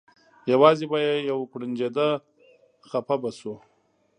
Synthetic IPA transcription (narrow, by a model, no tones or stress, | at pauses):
jawɑːzebajejawkɽind͡ʒed̪a | xapabasu